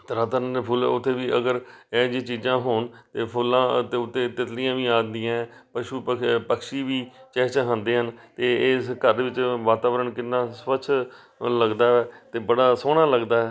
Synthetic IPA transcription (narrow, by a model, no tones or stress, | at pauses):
t̪ɾaːt̪əɾənd̪eːpʰʊːl̰ːʊt̪ʰːeːʋiːʔəɡəɾɛːd͡ʒĩːt͡ʃiːd͡ʒãːɦoːnt̪eːpʰʊlãːt̪eːʊt̪ʰːeːt̪ɪt̪lɪijãːʋĩːaːd̪ɪjãːɛːpəʃuːpəpəkʃiːʋiːt͡ʃɛːt͡ʃaɦãːnd̪eːɦənt̪eːɪskəɾʋɪt͡ʃʋaːt̪aːʋəɾəɳkɪnːãːspəʃʰ | ləɡd̪aːɛːt̪eːbəɽaːsoːɽ̃aːləɡd̪aːɦɛː